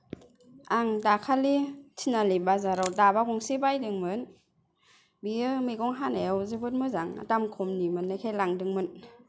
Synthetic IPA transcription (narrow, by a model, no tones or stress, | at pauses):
aŋdakʰalitʰinalibazaɾɔwdabakɔŋsibajdɯŋmɯn | biɯmɯjɡɔŋɦanewzɯbɯt̚mɯzaŋa̰tamkʰɔmnimɯnːajkʰajlaŋdɯŋmɯn